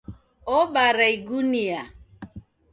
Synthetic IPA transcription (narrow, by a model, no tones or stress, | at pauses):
ɔɓaɾaiɡunia